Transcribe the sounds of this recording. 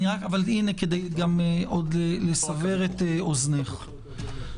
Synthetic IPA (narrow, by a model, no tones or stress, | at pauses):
niʁakavalineked̪ejɡamʔod̪lelesave̞ʁet̪eozneχ